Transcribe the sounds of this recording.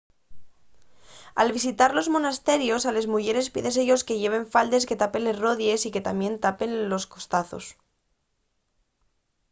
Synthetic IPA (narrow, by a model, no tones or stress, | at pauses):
alβis̬it̪aɾlo̞zmo̞nast̪e̞ɾjo̞sale̞zmuʝe̞ɾe̞spḭðe̞s̬eʎo̞ske̞ʝe̞β̞e̞ɱfald̪e̞s̬ke̞t̪ape̞le̞zro̞ðje̞sike̞t̪amje̞nt̪ape̞nlo̞sko̞st̪aθo̞̰s